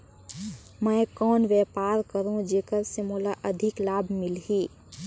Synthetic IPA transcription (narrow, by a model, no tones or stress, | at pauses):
məːkɔːnʋjɛːpaːɾkəɾũd͡ʒeːkəɾsemoːlaʔəd̪ʱɪklaːbʱmɪlɦiː